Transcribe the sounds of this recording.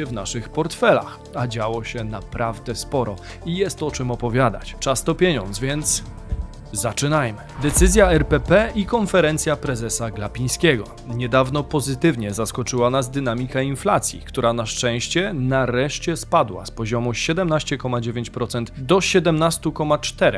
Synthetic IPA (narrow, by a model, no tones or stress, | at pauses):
ɛvnaʂɘxpɔɾt̪fɛla̰x | ad͡ʑawɔɕɛnapɾʔavd̪ɛspɔɾɔ | ijɛst̪ɔt͡ʂɘmɔpɔvʲjad̪a̰t͡ɕt͡ʂast̪ɔpʲjeɲɔ̰nt̪zvʲjɛnt̪s | zat͡ʂɘnajmɘd̪ɛt̪sɘzʲjaɛɾpɛpɛikɔnfɛɾɛnt̪sʲjapɾɛzɛsaɡlapʲĩj̃skʲɛɡɔ̰ | ɲɛd̪avnɔpɔzɘt̪ɘvɲɛzaskɔt͡ʂɘwanazd̪ɘnamʲikainflat̪sʲjḭkt̪uɾanaʂt͡ʂɛ̃w̃ɕt͡ɕɛnaɾɛʂt͡ɕɛspad̪wa̰spɔʑɔmuɕɛd̪ɛmnaɕt͡ɕɛkɔmad͡ʑevʲjeɲt͡ɕpɾɔt̪sɛnt̪d̪ɔɕɛd̪ɛmnast̪ukɔmat͡ʂt̪ɛɾɛ̰